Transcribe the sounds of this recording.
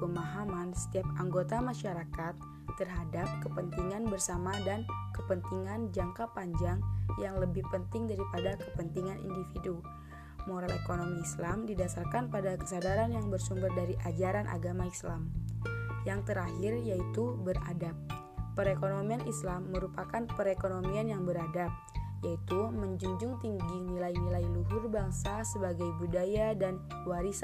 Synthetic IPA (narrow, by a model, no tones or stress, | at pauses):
pəmaɦamansə̥t̪iap̚aŋɡot̪amaʃaɾakat̪ː | ərɦadap̚kəpənt̪iŋanbərsamadankəpənt̪iŋand͡ʒaŋkapaɲd͡ʒaŋjaŋləbɪhpənt̪ɪŋdaɾipadakəpənt̪iŋanḭndifidu | moɾalekonomiːslamdidasarkanpadakə̥sadaɾanjaŋbərsumbərdaɾiʔad͡ʒaɾanʔa̰ɡamaislam | jaŋt̪əɾahirjait̪ubəra̰dapː | əɾekonomianislamːəɾupakanpəɾekonomianjaŋbəɾadap̚jait̪uməɲd͡ʒuɲd͡ʒʊŋt̪iŋɡinilainilailuɦʊrbaŋsasəbaɡajbudajadan | waɾis